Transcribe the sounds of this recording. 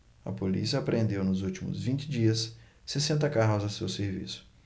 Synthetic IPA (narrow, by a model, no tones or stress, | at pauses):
ɐ̰polḭsiɐapɾʔẽnd̪ewnʊzuwt͡ʃimʊ̰zvĩnt͡ʃɪd͡ʒiɐsː | esẽnt̪ɐkaɦʊzasewseɾvḭsʊ̥